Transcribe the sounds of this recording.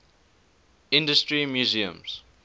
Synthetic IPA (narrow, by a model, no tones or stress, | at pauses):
ɪ̃ndəstɹimjuziə̰̃mz̥